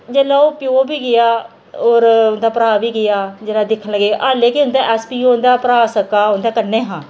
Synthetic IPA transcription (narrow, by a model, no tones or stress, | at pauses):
d͡ʒeːlaːoːpɪjoːbiːɡɪjaː | oːɾʊnd̪aːpəɾaːʋiːɡɪjaːd͡ʒeːlaːd̪ɪkʰːənləɡeːʔaːleːkɪʊnd̪aːʔɛːspiːoʊnd̪aːpəɾaːsəkaːʊnd̪aːkənẽːɦãː